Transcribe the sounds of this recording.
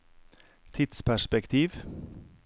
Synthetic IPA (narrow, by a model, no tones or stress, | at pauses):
t̪ʰɪt̪spʰæʃpɛkt̪ʰiːʋ